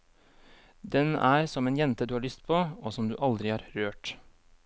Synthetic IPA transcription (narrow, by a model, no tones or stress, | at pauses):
d̪ɛnæːɾsɔmeːnjɛnt̪əd̪ʉːhɑːɭʏst̪pʰoːoːsɔmd̪ʉ̰ːʔɑld̪ɾɪɑːɾɾøːʈ